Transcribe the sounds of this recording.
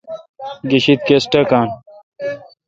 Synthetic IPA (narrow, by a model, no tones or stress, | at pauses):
ɡiɕit̪̚kesʈɐkaːn